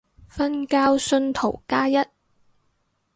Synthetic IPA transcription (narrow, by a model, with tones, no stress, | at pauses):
fɐ˥nkaː˥wsɵ˧nt̪ʰo˨˩wkaː˥jɐ˥t̚